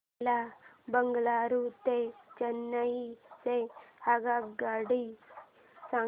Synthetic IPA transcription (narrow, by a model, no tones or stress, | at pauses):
labɐŋɡɐɭaːɾut̪et͡ʃɐnːɐisehaɡaːɡaːɽi | sa